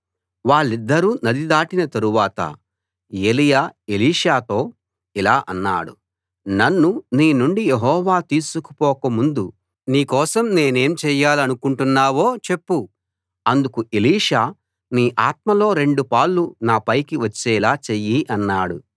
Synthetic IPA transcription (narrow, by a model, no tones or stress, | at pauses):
ʋaːɭːid̪ːɐɾuːnɐd̪id̪aːʈinɐt̪ɐɾuʋaːt̪ɐ̰ | elijaːeliːʂaːt̪o̞ː | ilaːʔɐnːa̰ːɽṵ | nɐnːuniːnuɳɖijeɦɔːʋaːt̪iːsuku̥pɔːkɐmund̪u | niːkɔːsɐmne̞ːne̞ːmt͡ʃɛːjaːlɐnukuɳʈunːaːʋo̞ːt͡ʃe̞pːu | ɐnd̪ukuʔeliːʂaː | niːʔaːt̪̚mɐlo̞ːɾe̞ɳɖupaːɭːunaːpɐjkiʋɐt͡ʃːɛːlaːt͡ʃejiʔɐnːaːɽṵ